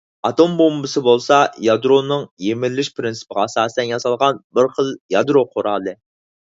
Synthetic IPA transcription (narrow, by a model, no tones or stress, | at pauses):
ɑt̪ombombɨsɨbolˠsɑjɑd̪ɾonɨŋjemɪlːɪʃpɾɪnsɨ̥pəʁɑɑsɑːsɨt̪ɛnjɑsɑlˠʁɑnbɪɾχəlˠjɑd̪ɾoqʰoɾɑːlˠɨ